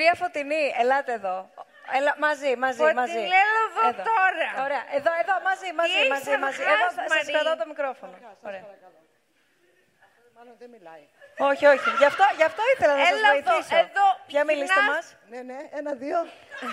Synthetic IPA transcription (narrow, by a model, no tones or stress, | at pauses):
ɾiɐfo̞t̪inielɐt̪eːðo̞ | elɐmɐzimɐzimɐzzieloððooɾɐo̞ɾe̞ɐʔeðoe̞ðo̞mɐzimɐzimɐzimɐzieðosɐskɐðɐot̪omikɾo̞fo̞nooɾeɐ | o̞çio̞çiʝɐft̪oʝɐft̪oiθelɐnɐszoit̪isoðopʝɐmilisemɐs | nneenɐðio